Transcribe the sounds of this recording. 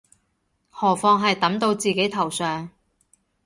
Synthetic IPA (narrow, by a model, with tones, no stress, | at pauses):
hɔː˨˩fɔː˧ŋɦɐ˨jt̪ɐ˨˥mt̪o˧wt͡siː˨ke˨˥jt̪ʰɐ˨˩wsœː˨ŋ